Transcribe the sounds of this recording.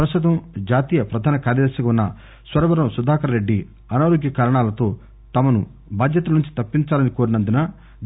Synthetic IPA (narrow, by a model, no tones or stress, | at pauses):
pɾɐst̪ut̪ɐmd͡ʒaːt̪iːjɐpɾɐd̪ʱaːnɐkaːɾjɐd̪ɐɾsɐkɐunːɐ | sʋɐɾɐbɐɾɐmsud̪ʱaːkɐɾɐɾe̞ɖːi | ɐnaːɾoɡjɐkaːɾɐɳaːlɐt̪o̞ː | t̪ɐmɐnu | bʱaːd̪jɐt̪ɐlɐnuɲt͡ʃi̥t̪ɐpːiɲt͡ʃaːlɐnikoːɾinɐnd̪unɐ